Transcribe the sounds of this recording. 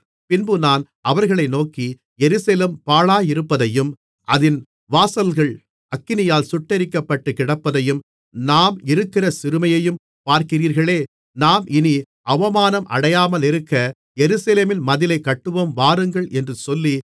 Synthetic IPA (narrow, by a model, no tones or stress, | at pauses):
pɪnbɯnaːn | ʔɐʋɐɾɣɐɭɐɪnoːki | jɛɾɯselempaːɭaːjɪɾɯpːɐðɐjɯm | ʔɐðɪn | ʋaːsɐlɣɐɭ | ɐkːɪnɪjaːlsʊʈːɐɾɪkːɐpːɐʈːɯkːɪɽɐpːɐðɐjɯm | naːmɪɾɯkːɪrɐsɪɾɯmɐjɐjɯm | paːɾkɪriːɾɣɐɭeː | naːmʔɪni | ɐʋɐmaːnɐmʔɐ̰ɽɐjaːmɐlɪɾɯkːɐ | jɛɾɯsɐleːmɪnmɐðɪlɐɪkːɐʈːɯʋɐmʋaːɾɯŋɡɐɭʔɛndrɯsɔlːi